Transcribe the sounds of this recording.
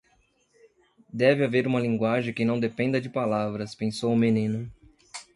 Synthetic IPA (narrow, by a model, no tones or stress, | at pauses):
d̪ɛvɪaveɾũmɐlĩŋɡwaʒẽj̃kɪ̃nɐ̃w̃d̪epẽnd̪ɐd͡ʒɪpalavɾɐspẽsowʊmenĩnʊ